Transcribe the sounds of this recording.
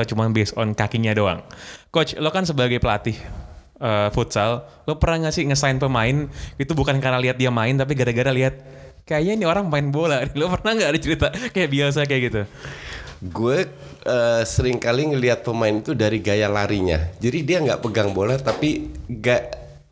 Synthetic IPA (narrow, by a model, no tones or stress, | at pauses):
at͡ʃumanbesɔ̰nkakiɲadoa̰ŋkot͡ʃlokans̬əbaɡajpəlat̪ɪh | ʔəːfut̪sal | lopərnaŋasɪhŋəsaɪnpəmaɪnit̪ubukankarnaliɦat̪̚diamaɪnt̪ap̬iɡaɾaɡaɾaliɦat̪̚ | kajainioɾaŋmaɪnbolalopərnaŋɡadəht͡ʃəɾit̪akajaʔbias̬ajakajaɡit̪u | ɡuɛ | əːsəɾɪŋkaliŋəliɦat̪̚pəmaɪnit̪udaɾiɡajalaɾiɲa̰d͡ʒadidiaŋɡa̰ʔpəɡaŋbolat̪apiɡaʔ